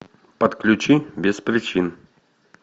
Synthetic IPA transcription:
pət̪klʲʊt͡ɕibʲɪspɾʲɪt͡ɕin

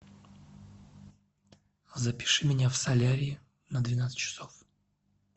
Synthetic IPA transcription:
zɐpʲɪ̥ʂɨmʲɪnʲafsɐlʲaɾʲɪɪ | nəd̪vʲɪnat̪sɨ̥t͡ɕːɪ̥sof

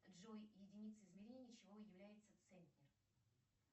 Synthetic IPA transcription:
ʐojjɪdʲɪnʲit̪səɪzmʲɪɾʲennʲɪət͡ɕɪvojɪvlʲæjɪt̪sət̪sɛnʲt̪ʲnʲɪr

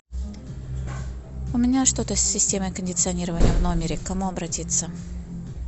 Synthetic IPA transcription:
ʊmʲɪnʲaʂt̪o̞t̪əsʲːɪsʲtʲe̞məjkənʲdʲɪt̪sɨɐnʲiɾəvənʲɪjəvno̞mʲɪɾʲɪkːɐmuɐbɾɐtʲit̪sːə

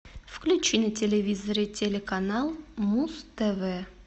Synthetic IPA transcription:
fklʲʉt͡ɕinətʲelʲevʲizəɾʲɪtʲelʲekanalˠmust̪ɛvɛ

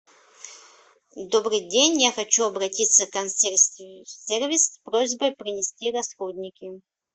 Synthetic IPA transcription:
d̪obɾɨjdʲenʲjaxɐt͡ɕuɐbɾɐtʲit̪səkɐnsʲ | sʲervʲɪsspɾozʲbəjpɾʲɪnʲɪsʲtʲiɾɐsxod̪ʲnʲɪkʲɪ

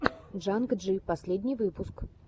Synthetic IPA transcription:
ʐankʐɨpasʲlʲɛd̪ʲnʲivɨpusk

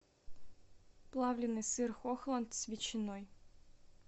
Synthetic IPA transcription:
plˠɑvlʲɪnːɨsɨrxoxlˠɐnt̪svʲɪt͡ɕɪnoj

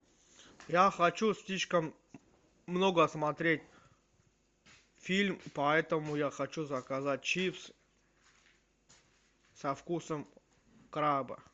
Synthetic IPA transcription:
jaxɐt͡ɕusʲlʲiʂkəmː | noɡəsmɐt̪ɾʲetʲ | fʲilʲmpɐɛt̪əmʊjaxɐt͡ɕuzɐkazat̚ʲt͡ɕifs | sɐfkusəm | kɾabə̰

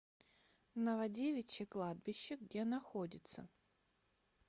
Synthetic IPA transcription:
nəvɐdʲevʲɪt͡ɕːɪklˠad̪̚bʲɪɕːɪɡdʲe̞nɐxodʲɪt̪sə̰

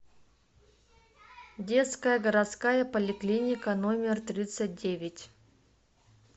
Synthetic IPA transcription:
dʲe̞t̪skəjəɡəɾat̪skajəpəlʲɪklʲinʲɪkənomʲɪrt̪ɾʲit̪sɨt̚ʲdʲevʲɪtʲ

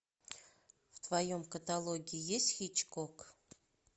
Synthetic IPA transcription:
vt̪vɐjomkət̪ɐlˠoɡʲɪɪjesʲtʲxʲit͡ɕkok

